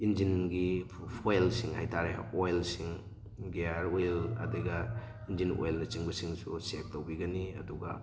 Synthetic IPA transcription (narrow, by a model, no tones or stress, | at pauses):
ind͡ʒinɡi | pʰojlsiŋhajtʰaɾeojlsiŋ | ɡeaɾojlɐ̰deɡɐ | ind͡ʒino̰jlnɐt͡ʃiŋbɐsiŋsṵsek̚towbiɡɐniɐ̰duɡɐ̰